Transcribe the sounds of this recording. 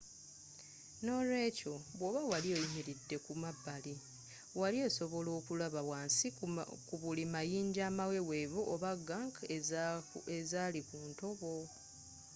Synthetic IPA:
no̞lwe̞ːco̞βwoːβawaliojimiɾidːe̞kumabːali | walie̞so̞βo̞lo̞ːkulaβawaːnsikuβulimajiːɲɟaːmawe̞we̞ːβuʔoβaɡːaŋk | ezaːlikuːnto̞βo̞

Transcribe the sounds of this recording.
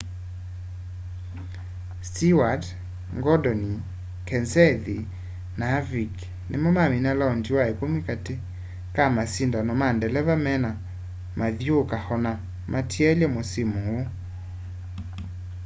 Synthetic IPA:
stiwad | ŋɡɔdɔni | kɛnsɛði | navik | nḛmɔmaminalaɔndiwaekomikate | kamasindanɔmandɛlɛvamɛna | maðijokahɔna | mʔatʰiɛljɛmosimowo

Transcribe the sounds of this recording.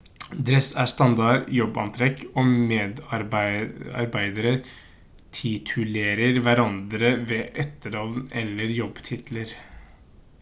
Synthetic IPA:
d̪ɾɛsæːʂt̪ɑnd̪ɑɾjɔbːɑ̰nt̪ʰɾɛkoːmeːd̪ɑɾbæɪɑ̰ɾbæɪd̪əɾə | t̪ʰɪt̪ʰʉleːɾəɾʋæɾɑnd̪ɾəʋeːʔœt̪ːəɖɑʋnɛlːəɾjɔbːt̪ʰɪt̪ʰləɾ

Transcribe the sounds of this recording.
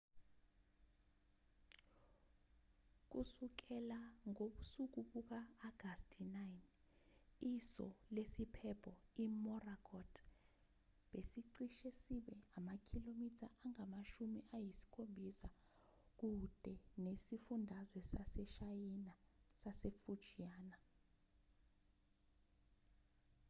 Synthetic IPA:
k̬usuk̬ɛlaŋoɓusuk̬uɓuk̬aːɡ̥ʱastʰinajn | isɔ̰lesipʰɛpʰɔimɔrakʰɔtʰ | ɓesiǀiʃesiɓɛamakʰilomitʰaʔaŋamaʃumiʔajisi̥kʰombʱisa | k̬ud̥ʱɛnesifundʱazwɛsasɛʃajinasasefu̥ʒ̥ʱijaːna

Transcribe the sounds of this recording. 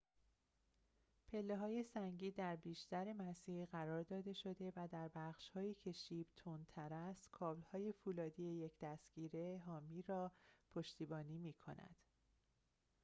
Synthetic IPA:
pʰe̞lːe̞ɦɒːje̞sæŋɟiːd̪æɾbiːʃt̪ʰæɾe̞mæsiːɾɢæɾɒːɾd̪ɒːd̪e̞ʃo̞d̪e̞væd̪æɾbæχʃhɒːjiːcʰe̞ʃiːb̥t̪ʰont̪ʰæɾæst̪kʰɒːblhɒːje̞fuːlɒːd̪iːejecʰd̪̥æst̪ɡiːɾe̞ɦɒːmiːɾɒːpʰo̞ʃt̪iːbɒːniːmiːkʰo̞̰næ̰d̪̥

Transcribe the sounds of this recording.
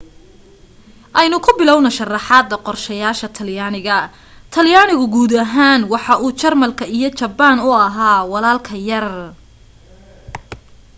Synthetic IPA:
ʔɛjnʊkʰʊbɪlɔwnɔʃɐrɑħɑːd̪ːɐqɔrʃɛjaːʃɐt̪ʰɐljaːnɪɣɐ | t̪ʰɐljaːnɪɣʊɡuːd̪ɐɦaːnwɑħɑʔuːt͡ʃɐrmɐlkʰɐijɞt͡ʃɐbaːnʊɐɦaːwɑlaːlkʰɐjɐr

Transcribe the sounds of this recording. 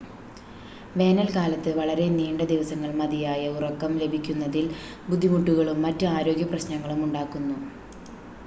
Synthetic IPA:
ʋe̞ːnɐlkaːlɐt̪ːɨʋɐɭɐɾe̞niːɳɖɐd̪iʋɐsɐŋːɐɭmɐd̪ijaːjɐurɐkːɐmle̞bʱikʲːunːɐðil | bud̪ʱːimuʈːuɣɐɭumːɐtːɨaːɾo̞ːɡjɐprɐɕnɐŋːɐɭumuɳɖaːkːunːu

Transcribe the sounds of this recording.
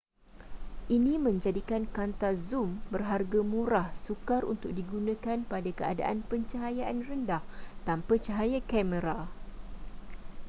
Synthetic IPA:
ʔinĩmə̃ɲd͡ʒadikankant̪azumbərɦarɡamũɾahsukarṵnt̪ʊk̚diɡunãkanpadakəa̰da̰ʔa̰npəɲt͡ʃaɦajaʔanrəndaht̪ampət͡ʃəɦajakɛmə̃ɾa

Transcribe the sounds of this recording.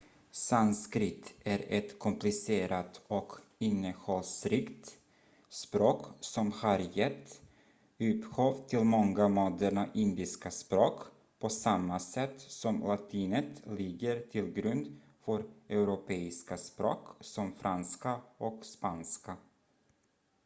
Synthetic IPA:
sanskɾɪt̪ʰæɾɛt̪kʰɔmplɪseːɾat̪ɔkɪnːəhɔlsɾɪkt̪ | spɾoːksɔmhaɾjɛt̪ː | ʉ̟ːp̪ɧoːvt̪ʰɪlmɔŋɡamoːd̪æɳaʔɪnd̪ɪskaspɾoːk | pʰɔsamːasɛt̪ːsɔmlat̪ʰiːnət̪lɪɡəɾt̪ʰɪlɡɾɵnd̪ | fœɾʔɛʉɾʊpʰeːɪskaspɾo̰ːksɔmfɾʔanskaɔkspanska

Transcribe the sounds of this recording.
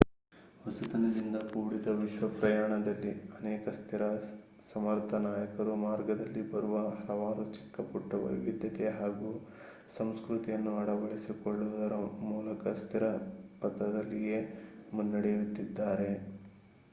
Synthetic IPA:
ʋɐsut̪ɐnɐlind̪ɐkuːɽid̪ɐʋiʃʋɐpɾɐjaːɳɐd̪ɐlːiɐnɛːkɐst̪ʰiɾɐ | sɐmɐɾt̪ʰɐnaːjɐkɐɾumaːɾɡɐd̪ɐlːibɐɾuʋɐɦɐlɐʋaːɾut͡ʃi̥kːɐpuʈːɐʋɐ̰ʋjʋid̪jɐt̪e̞ɦaːɡu | sɐmskɾut̪ijɐnːuɐɽɐʋɐɭisikɔɭːud̪ɐɾɐmuːlɐkɐst̪ʰiɾɐpɐt̪ɾɐd̪ɐlːije̞ː | munːɐɽejut̪ːid̪ːaːɾe̞

